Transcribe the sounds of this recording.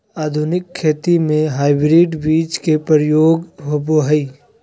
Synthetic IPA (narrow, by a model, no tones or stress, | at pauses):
aːd̪ʱʊnɪkʰːeːt̪imẽɦaːɪbɾiɖbiːt͡ʃkepəɾəjoːɡɦoboɦəi